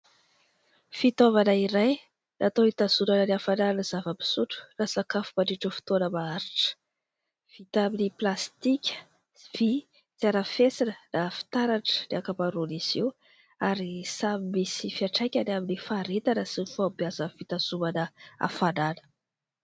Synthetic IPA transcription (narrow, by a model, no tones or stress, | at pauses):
fit̪ovanəiɾaj | nʔat̪oit̪az̥umanəleafananəzavəpi̥suʈ͡ʂu̥rasakafumaɖ͡ʐiʈ͡ʂəfi̥t̪onəmaaɾiʈ͡ʂə̥ | v̥it̪aminiplast̪ikʲə̥ | v̥i | t͡s̪aɾafesinənafi̥t̪aɾaʈ͡ʂə̥leakapaɾuniz̥iw | aɾisamimisifiaʈ͡ʂajkʲanaminifaɾet̪anəsinifawbiazəfit̪az̥umanəa̰fananə̥